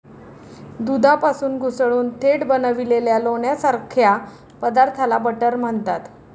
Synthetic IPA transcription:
d̪ud̪ʱapasuːnɡʱusɭuːnt̪ʰeɽbənəʋileljaloɳjasaɾkʰja | pəd̪aɾt̪ʰalabəʈəɾm̤əɳt̪at̪

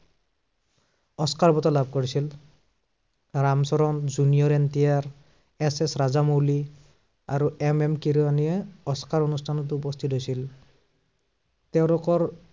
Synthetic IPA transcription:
ɔskaɹbɔtɔlab̚ʱkoɹisil | ɹamsɔɾɔnzunijɔɹɛntijaɹ | ɛsɛsɹazamoli | a̰ɹuʔɛmɛmkiɾianiɛɔskaɹonustʰanɔt̬ːuupɔst̪ʰitɦojsil | tɛʊ̃lʊkɔɹ

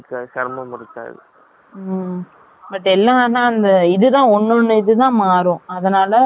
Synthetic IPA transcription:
kːasɐɾmɐmʊɾɪt͡ʃːa̰ːɪ̰ðɯ̰ | bɐʈːɛlːãːnãːɐnd̪ɐɪðɯt̪ãːɔnːɔnːɯɪðɯt̪ãːmaːɾʊ̃ːɐðɐnaːlɐ

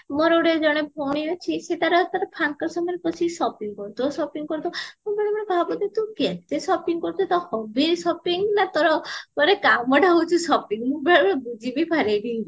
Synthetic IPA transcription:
mɔɾoɽed͡ʒɔɽ̃epʰɔɽ̃iɔt͡ʃʰiset̪aɾɔt̪aɾɔpʰankɔɾsɔmɔɾpɔt͡ʃʰisɔpiŋɡkɔɾt̪ɔsɔpiŋɡkɔɾt̪ɔmɔbɔɽ̃emɔnebʱabɔt̪et̪ukɛt̪esɔpiŋɡkɔɾt̪ɔt̪ɔhɔbiɾsɔpiŋɡnat̪ɔɾɔkɔɾekabɔʈaɦowt͡ʃʰusɔpiŋɡmũbʱaɔebud͡ʒibipʰaɾebi

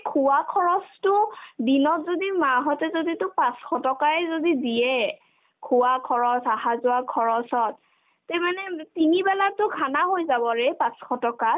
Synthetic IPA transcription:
kʰuwakʰɔɹɔstʊdinɔtzodimaɦɔtɛzoditʊpãsxɔtɔkaɛzodidijɛ | kʰuwakʰɔɹɔsaɦazʊakʰɔɹɔsɔt̚ː | ɛmanɛtinibɛlatʊɡʱanaɦojzabɔɹɛpãsxɔtɔka

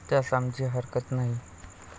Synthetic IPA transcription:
t̪jasamd͡ʑiɦəɾkət̪naɦi

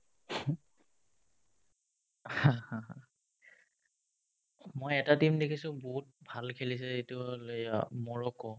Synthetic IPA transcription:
hãhãã | mojɛtatimdekʰisʊ̃boɦut̚bʱalkʰelis̬ɛitʊolejmɔɹɔkɔ

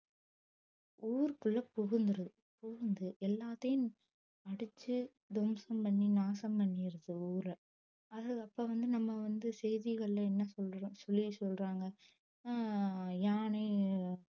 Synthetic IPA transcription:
uːɾkʊɭːɐpɔɣɯnd̪ɯɾɐðɯ | poːɣɯnd̪ɯʔɛlːaːt̪ːɐjɯm | ɐɽɯt͡ʃːɯ | d̪ɔmsɐmpɐɳːinaːsɐmpɐɳːɪjɪɾɐðɯuːɾɐ | ɐðɯɐpːɐːʋɐnd̪ɯnɐmːɐʋɐnd̪ɯsɛjðiɣɐɭɪlɐɛnːɐsɔlːɾõːsɔlːisɔlɾaːŋɡɐ | jaːneː

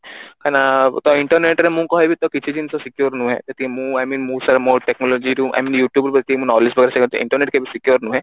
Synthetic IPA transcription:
kanat̪ɔiɳʈɔɾneʈɾɛmũkɔɦibit̪ɔkit͡ʃʰid͡ʒinisɔsikjoɾnũɦɛ̰d͡ʒat̪ʰikemũajminmũsaɾmoɾʈeknɔlod͡ʒiɾuʔa̰minjuʈjubɔɾpt̪ʰikmũnɔlisbʱɔɡɾɛsaɡt̪ɔʔḭɳʈɔɾneʈkebisikijoɾnũɦɛ̃

